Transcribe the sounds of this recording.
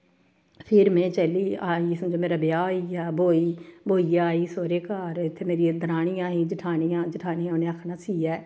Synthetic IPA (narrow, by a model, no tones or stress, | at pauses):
pʰɪɾmẽːt͡ʃəliːaːiːsəmd͡ʒoːmeːɾaːbɪjaːiaːbʱoːiːbʱoːijaːiːsoːɾeːkaːɾɪt̪ʰːeːmeːɾid̪əɾaːɽijãːɦiːd͡ʒɪʈʰaːnijãːd͡ʒɪʈʰaːnijãʊnẽəkʰnaːsiːaː